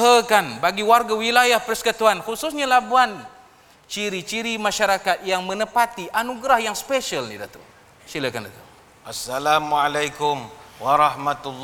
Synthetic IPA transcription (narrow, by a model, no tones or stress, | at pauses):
əkanbaɡiwarɡawilajahpərsə̥kət̪uanxususɲalabuan | t͡ʃiɾit͡ʃiɾimãʃaɾakat̪̚jaŋmə̃nəpat̪iʔanuɡɾahjaŋspeʃəlnḭdat̪ṵ | siləkandat̪ṵm | ʔasːalamalajkʊmwaɾɑhmat̪ulː